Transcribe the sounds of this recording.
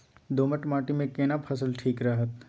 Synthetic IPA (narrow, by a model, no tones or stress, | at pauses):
d̪oːməʈmaːʈimẽkeːnapʰəsəlʈʰiːkɾɐɦət̪